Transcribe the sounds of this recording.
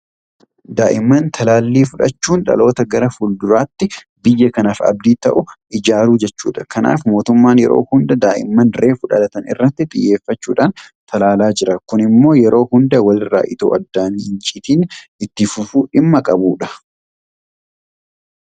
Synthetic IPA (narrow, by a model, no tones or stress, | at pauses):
d̪aːʔɪmːɐnt̪ʰɐlaːlːiːfʊᶑɐ̰t͡ʃːuːnᶑɐ̰lo̞ːt̪ɐɡɐɾɐfʊld̪ʊɾaːt̪ːɪ | bɪjːɐkɐnaːfɐ̰b̚d̪iːt̪ɐʔʊʔɪd͡ʒaːɾuːd͡ʒɛt͡ʃːṵːᶑɐ̥kɐna̰ːfmo̞ːt̪ʊmːaːnjɛ̰ɾo̰ːhʊnd̪ɐd̪aːʔɪ̰mːɐnre̞ːfʊᶑɐ̰lɐt̪ɐnɪ̰rːɐt̪ːɪt̪ʼɪ̰jːe̞ːfːɐt͡ʃːuːᶑaːnt̪ɐlaːlaːd͡ʒɪɾɐkʊnɪmːo̞ːjɛɾʔo̞ːhʊnd̪ɐwɐlɪrːa̰ːʔɪt̪o̰ːɐ̰d̪ːaːniːhɪnt͡ʃʼiːt̪iːnɪt̪ːɪfʊfuːᶑɪmːɐkʼɐbuːᶑɐ̥